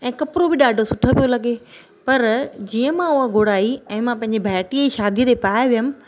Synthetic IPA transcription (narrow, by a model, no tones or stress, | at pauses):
ɛ̃ːkɐpɪɾobɪɗaːɖʱosʊʈʰə̆pijolɐɠe | pɐɾd͡ʑiːə̃mãʊɦãɡʱoːɽaːiɛ̃ːmãpɐ̃ɦɪ̃ɲd͡ʑibʱaːʈieʃaːd̪ʱiət̪epaːjʋijəmɪ̆